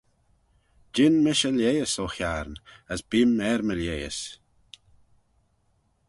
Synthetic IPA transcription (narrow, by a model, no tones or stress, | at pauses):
d͡ʒɪnmɪʃəljejəsoxjaɾnəsbɪmɛɾməljejə̰s